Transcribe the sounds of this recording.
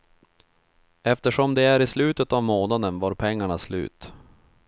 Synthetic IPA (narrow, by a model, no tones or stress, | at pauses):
ɛft̪əʂɔmd̪ɛæɾɪslʉ̟ːt̪ət̪avmoːnad̪ənvaːɾpʰɛŋːaɳaslʉ̟̰ːt̪